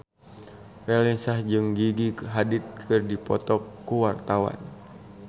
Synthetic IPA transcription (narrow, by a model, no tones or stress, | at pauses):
rɛlinsahd͡ʒɨŋɡiɡiɦadit̪̚kʰɨrdipɔ̰t̪ɔkːuwart̪awa̰n